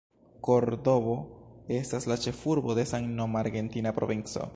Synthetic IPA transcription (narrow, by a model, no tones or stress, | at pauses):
ko̞ɾdo̞bo̞e̞staslat͡ʃe̞fuɾbo̞de̞saŋnomaɾɡe̞ntinapɾo̞̰vint͡so̞̰